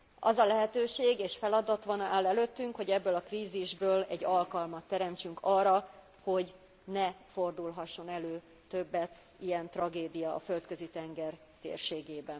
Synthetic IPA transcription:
ɒzɒlɛɦɛt̪øːʃeːɡeːʃfɛlɒd̪ɒt̪ʋɒnaːlɛløt̪ːyŋkho̞ɟɛbːøːlɒkriːziʒbøːlɛɟːɒlkɒlmɒt̪ːɛɾɛmt͡ʃyŋkʰɒːrːɒ | ho̞ɟ | nɛfo̞rd̪ulɦɒʃːo̞nɛløː | t̪ø̞bːɛt̪ | ijɛnt̪rɒɡeːd̪ijɒ̰ːfølt̪kø̞zit̪ɛŋɡɛr | t̪ḛːrʃeːɡeːbɛn

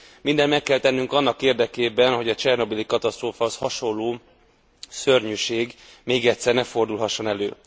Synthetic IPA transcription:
mind̪ɛnmɛkːɛlt̪ɛnːyŋkɒnːɒkeːrd̪ɛkeːbɛnɦo̞ɟɒt͡ʃɛrno̞bilikɒt̪ɒst̪roːfɒɒshɒʃo̞lːoː | sørɲyʃeːɡmeːɡɛt̪sɛrnɛfo̞rd̪ulɦɒʃːo̞nɛlø̰ː

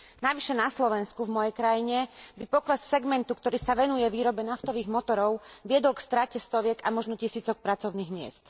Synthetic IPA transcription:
naʋiʃɛnaslɔʋɛnskuvmɔjɛjkɾajiɲɛbipɔklɛssɛɡmɛnt̪ukt̪ɔɾiːsaʋɛnujɛʋiːɾɔbɛnaft̪ɔʋiːɣmɔt̪ɔɾɔʊʋɪɛd̪ɔlkst̪ɾacɛst̪ɔʋɪɛkamɔʒnɔcisiːt͡sɔk̚pɾat͡sɔʊniːɣmɪɛ̰st̪

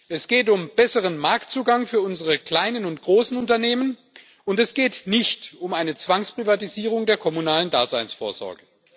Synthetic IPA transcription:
ʔɛsɡ̥eːtʊmb̥ɛsəʁ̞ənmaɐktt͡suːɡaŋfyːɐʊnzəʁəkl̥aɪnənʊntɡ̥ʁoːsn̩ʊntɐneːmən | ʔʊntɛsɡ̥eːtnɪçtʊmaɪnət͡sv̥aŋspʁ̥ivatiziːʁ̞ʊŋdeːɐkʰɔmunaːləndaːzaɪnsfoːɐzɔ̰ɐɡə

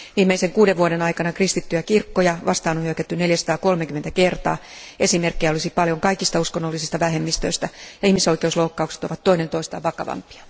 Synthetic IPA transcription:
ʋiːmːeiseŋkuːdeʋʋuodenɑikɑnɑkrist̪it̪ːyjækirkːojɑʋɑ̰st̪ɑːnohyøkæt̪ːyneljæsɑ̥t̪ɑːkolmekyment̪ækert̪ɑ̰ːe̞simerkːejæolisipɑljoŋkɑikist̪ɑuskonːolːisist̪ɑʋæɦemːist̪ø̰ist̪æjɑihmiso̞ikeusloukːɑukse̥t̪oʋɑt̪t̪ːo̞inent̪oist̪ɑ̰ːʋɑkɑ̰ʋɑ̰mpi̥ɑ̥

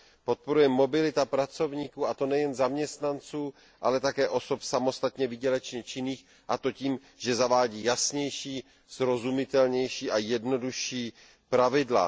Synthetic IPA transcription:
po̞t̪̚po̞ɾujɛmːo̞bɪlɪt̪apɾat͡so̞vɲiːkuːat̪o̞nɛjɛnzamɲɛst̪nant͡suː | ʔa̰lɛt̪akɛːʔo̞so̞psamo̞st̪at̪ɲɛvɪɟɛlɛt͡ʃɲɛt͡ʃɪniːx | ʔat̪o̞ciːm | ʒ̥ɛzavaːɟiːjasɲɛjʃiː | z̥ɾo̞zumɪt̪ɛlɲɛjʃiːʔajɛdno̞duʃiː | pɾavɪdla̰

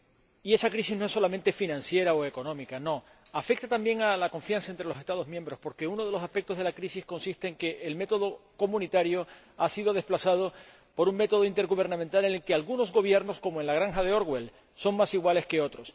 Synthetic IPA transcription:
ie̞sakɾisizno̞esːo̞lamẽnt̪e̞finãnsje̞ɾaoe̞ko̞nõ̞mikano̞ | afe̞k̚t̪at̪ambje̞ŋalakõ̞ɱfjansaent̪ɾe̞lose̞st̪að̞o̞zmjẽ̞mbɾo̞spo̞ɾke̞uno̞ð̞e̞losaspek̚t̪o̞zðelakɾisisko̞nsist̪e̞ːŋke̞ʔːlme̞t̪o̞ðo̞ko̞mũnit̪aɾjo̞ | asiðo̞ðe̞splasað̞o̞ | po̞ɾuŋme̞t̪o̞ð̞oint̪e̞ɾɣuβ̞e̞ɾnãment̪ale̞ne̞lkealɣuno̞zɣo̞β̞je̞ɾno̞sko̞moenlaɣ̞ɾaŋxað̞e̞o̞ɾɣwe̞l | so̞ŋmasiɣwale̞ske̞o̞t̪ɾo̞s

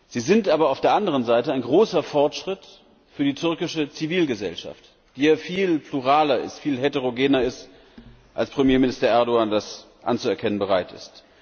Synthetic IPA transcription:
z̥iːzɪntʔaːbɐaʊfd̥eːɐʔandəʁ̞ənzaɪtəaɪnɡʁoːsɐfɔɐtʃʁ̥ɪt | fyːɐdiːtʰʏɐkɪʃət͡siviːlɡəzɛ̰lʃa̰ft | d̥iːaːfiːlpluʁaːlɐɪ̰stfiːlɦeteʁ̞oɡeːnɐɪst | ʔalspʁ̥əmjeːmɪnɪstɐʔɛɐdoaːndas | ʔa̰nt͡suɛɐkʰɛnənbəʁaɪtɪ̰st

